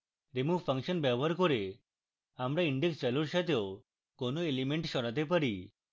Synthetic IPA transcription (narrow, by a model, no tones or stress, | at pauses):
ɾimuʋfə̃ŋkɕənbɛʋəɾkɔɾe | amɾaiɳɖekst͡ɕaluɾɕat̪jɔ | konoelimeɳʈɕɔɾat̪̬epəɽi